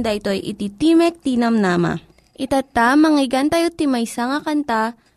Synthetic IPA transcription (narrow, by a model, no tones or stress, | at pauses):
nd̪aɪt̪o̞ʔjʔɪ̰t̪it̪imɛk̚t̪iːnɐmnaːma̰ | ʔɪt̪at̪ːamɐŋiɡant̪ɐjot̪imɐjsaŋakɐnt̪a